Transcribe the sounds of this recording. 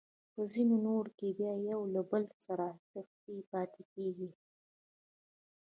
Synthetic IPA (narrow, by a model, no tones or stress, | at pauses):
pəzinonoɾkebjɑjawlabəlsaɾat̪axt̪ipɑt̪ʰekeɡi